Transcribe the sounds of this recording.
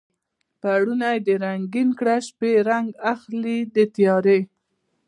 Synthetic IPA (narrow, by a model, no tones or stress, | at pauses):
paɽunajd̪əɾaŋɡinkɽaʃpeɾaŋɡaxlid̪ət̪jɑɾe